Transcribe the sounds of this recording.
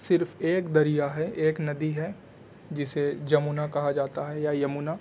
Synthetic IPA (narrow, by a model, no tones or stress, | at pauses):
sɪɾfeːkd̪ɐɾijaɦɛʔeːknɐd̪iɦɛ | d͡ʒɪsed͡ʒɐmunakɐɦad͡ʒaːt̪aɦɛjajɐmuːna